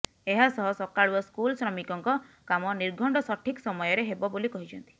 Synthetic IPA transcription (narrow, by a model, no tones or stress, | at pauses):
eɦasɔɦɔsɔkaɽuɔskulsɾɔmikɔŋkɔkamɔniɾɡʱɔɳɖɔsɔʈʰiksɔmɔjɔɾeɦebɔbolikɔɦit͡ʃʰɔnt̪i̥